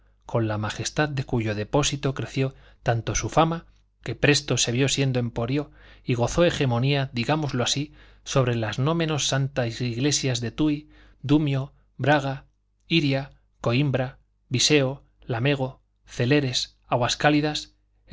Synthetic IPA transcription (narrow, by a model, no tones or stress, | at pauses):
ko̞nlamaxe̞st̪aðd̪e̞kuʝo̞ð̞e̞po̞sit̪o̞kɾe̞θjo̞ | t̪ant̪o̞sufama | ke̞pɾe̞st̪o̞se̞β̞jo̞sje̞nd̪oe̞mpo̞ɾjo̞iɣ̞o̞θo̞e̞xe̞mõ̞niaðiɣamo̞zloasi | so̞β̞ɾe̞lazno̞mẽ̞no̞sːant̪aiiɣle̞sjazðe̞t̪ui | d̪umjo | bɾaɣ̞a | iɾja | ko̞imbɾa | βise̞o | lame̞ɣ̞o̞ | θe̞le̞ɾe̞s | aɣwaskaliðas